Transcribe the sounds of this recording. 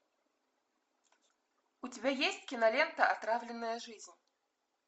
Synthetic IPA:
ut͡sʲibʲajesʲt͡sʲkʲinalʲɛnt̪ɐat̪ɾawlʲɪnːɐjɐʐɨzʲnʲ

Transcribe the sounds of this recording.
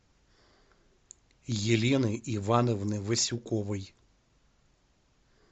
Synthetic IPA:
jilʲinɪʔiʋɑnɔwnɪʋɪsʲʊkɔʋɪj

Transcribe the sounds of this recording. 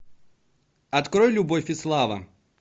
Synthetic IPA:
ɐt̪kɾojlʲʊbofʲɪslˠavɐ̰

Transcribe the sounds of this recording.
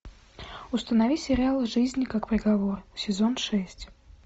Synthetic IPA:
ʊst̪ənɐvʲisʲɪɾʲɪalˠɨʐɨzʲnʲɪkakpɾʲɪɡɐvorsʲɪzo̞nʂɛsʲtʲ

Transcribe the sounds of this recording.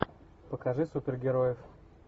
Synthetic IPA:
pəkɐʐɨsupʲɪrɡʲɪɾojɪf

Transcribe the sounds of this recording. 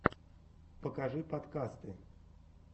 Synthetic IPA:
pəkaʐɨpat̪kast̪ɨ

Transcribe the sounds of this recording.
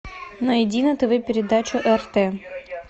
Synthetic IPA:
nɐɪdʲinɐt̪ɨvʲɛpʲɪɾʲɪd̪at͡ɕʊʔɛrt̪ɛ

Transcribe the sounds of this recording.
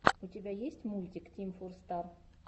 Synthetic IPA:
ʊtʲɪbʲajesʲtʲmulʲtʲɪktʲimfurst̪ar

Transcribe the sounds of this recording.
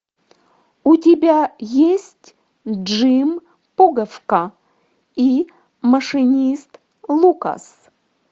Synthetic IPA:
utʲɪbʲajesʲtʲ | d͡ʐɨm | puɡɐfka | i | mɐʂɨnʲist̪ | lˠuka̰s

